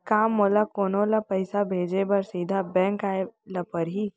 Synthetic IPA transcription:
kaːmːoːlakoːnõːlapɐɪsabʱeːd͡ʒebəɾsiːd̪ʱabɛ̃ːŋkaːelapəɾɦi

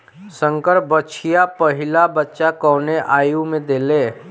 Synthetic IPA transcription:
sə̃ŋkəɾ̚bət͡ʃʰijapəɦɪlabətːʃakɔːneʔaːjumẽd̪eːleː

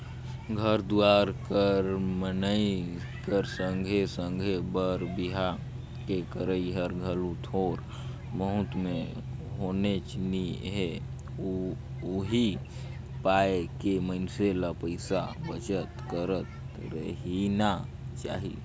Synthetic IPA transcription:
ɡʱəɾd̪uaɾkəɾmənəi | kəɾsəŋɡʱesəŋɡʱebəɾbiɦa | kekəɾəiɦəɾɡʱəlut̪ʰoɾ | məɦʊt̪me | ɦonet͡ʃniɦe | uɦi | paekeməɪnselapəɪsabət͡ʃət̪kəɾət̪ | ɾə̰ɦina | t͡ʃa̰ːɦḭ

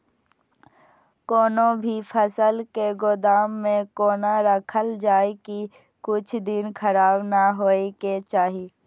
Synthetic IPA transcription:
koːnõbʱipʰəsəlkeɡʊd̪aːmːẽkoːnaɾəkʰəld͡ʒaːeki | kʊt͡ʃʰd̪ɪnkʰəɾaːbnaɦoːeket͡ʃaːɦiː

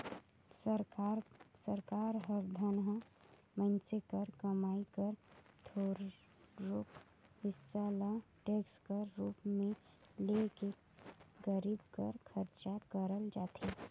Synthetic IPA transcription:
ɾsəɾkaːɾɦəɾd̪ʱənɦamə̃nsekəɾkəmaːikəɾt̪ʰoɾː | okhɪsːalaʈeːkskəɾːuːpmẽleke | ɡəɾib̚kə̰ɾkʰəɾt͡ʃakəɾəld͡ʒaːt̪ʰi

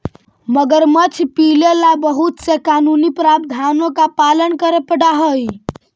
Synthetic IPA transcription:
məɡəɾmət͡ʃʰpilelabəɦut̪sekanunipɾab̚d̪ʱanokapalənkəɾepəɽaɦəi

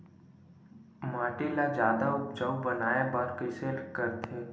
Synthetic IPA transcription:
maːʈilad͡ʒjaːd̪aʊp̚d͡ʒəwbənaːebaɾkɪselkəɾt̪ʰeː

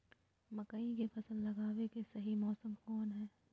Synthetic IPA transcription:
mɐkaikepʰɐsəlːɐɡaːwekesɐɦimɔːsəmkɔːnɦɛː

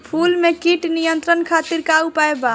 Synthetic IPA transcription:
pʰulmekiʈnijənt̪ɾənkʰat̪iɾkaupaeba

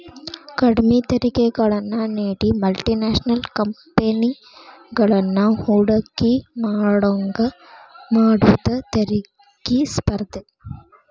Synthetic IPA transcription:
kɐɽmit̪ɐɾɪkɐɣɐɭɐnːaneːɽimɐlʈinaːʂɐnɐlkɐmpeni | ɡɐɭɐnːahuːɽɐkːimaːɽɐŋɡɐ | maːɽuðɐt̪ɐɾi | kːispɐɾt̪ɯ

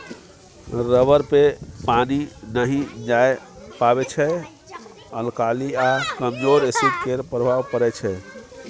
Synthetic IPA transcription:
ɾəbəɾpepaninəɦĩd͡ʒaj | pabet͡ʃʰɛ | əlkaliakəmd͡ʒoɾesid̪keɾpɾəbʱaʋkəɾɛt͡ʃʰɛ

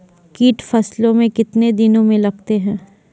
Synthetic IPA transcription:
kiːʈfɐslõmẽkɪt̪ned̪ɪnõmẽlɐɡ̚t̪eɦɛ̃ː

